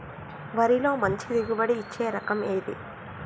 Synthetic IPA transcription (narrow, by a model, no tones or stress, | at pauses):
ʋɐɾilo̞ːmɐɲt͡ʃid̪iɡubɐɽiːt͡ʃːe̞ːɾɐkɐmeːjd̪ḭ